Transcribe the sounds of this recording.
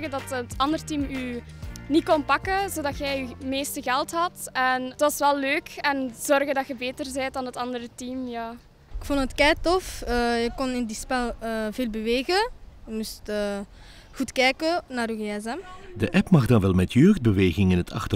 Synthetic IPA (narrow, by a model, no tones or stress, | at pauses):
ɣədɑtətɑndərtimyː | nikɔnpɑkəzoːdɑtxɛjymeːstəɣɛlˠtɦɑtɛntʋɑsʋɛlːøːkɛnzɔrɣəndɑtxəbeːtərzɛjt̚dɑnətɑndəɾətiːmjaː | ɪkfɔntɦətkɛːtɔfəjəkɔnɪndispɛlˠəːveːlˠbəʋeːɣəjəmustəː | ɣutkɛːkənaːɾyːeɛzɛmdəʔɛpmɑɣdɑnʋɛlˠmɛtjøːxd̚bəʋeːɣɪŋɪnɦətʰɑ̰xtə